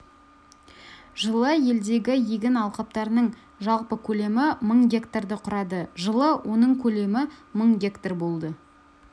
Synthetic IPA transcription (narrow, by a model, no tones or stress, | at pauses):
ʒəlˠəje̞ld̪e̞ɡʲɪjeɡʲɪnɑlˠqɑp̚t̪ɑɾənəɴ | ʒɑlˠpəkʲʰɵle̞mɪməɴɡʲe̞kt̪ord̪əqʰʊɾɑd̪əʒəlˠəwʔo̞nəɴkʲʰɵle̞mɪməɴɡʲe̞kt̪orbo̞lˠd̪ə